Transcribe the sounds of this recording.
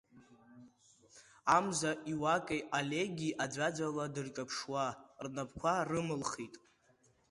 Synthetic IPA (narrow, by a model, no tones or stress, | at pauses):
amzaʔiwakʼejalʲeɡʲiʔad͡ʒʷad͡zʷaladɨrt͡ʃʼapʰʂwarnapʰkʷʰarɨmɨlχitʼ